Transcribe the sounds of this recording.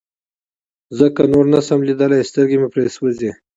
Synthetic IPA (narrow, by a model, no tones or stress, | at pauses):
zəkanoɾnasamlid̪əlajst̪əɾɡemepɾeswəze